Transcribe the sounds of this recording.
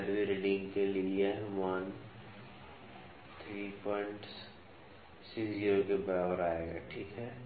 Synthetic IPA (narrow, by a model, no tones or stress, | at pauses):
ɛɾbiɾeɖɪ̃ŋɡkeliieɦʋan | t̪ʰɾiːpɔɪɳʈs | sɪksd͡ʒiokebəaɾaːeːɡa̰ːʈʰiːkɦɛː